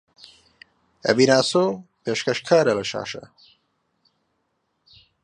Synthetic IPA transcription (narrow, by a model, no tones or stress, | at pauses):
ɐ̰binaːsopeːʃkɐʃkʰaːɾɐlɐʃa̰ːʃɐ̰